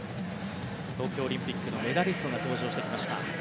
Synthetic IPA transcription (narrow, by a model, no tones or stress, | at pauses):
t̪o̞ːkʲo̞ːɾʲĩmpʲikːɯ̟no̞me̞d̪aɾʲisɨ̥t̪o̞ɡat̪o̞ːʑo̞ːɕi̥t̪kʲimaɕi̥t̪a̰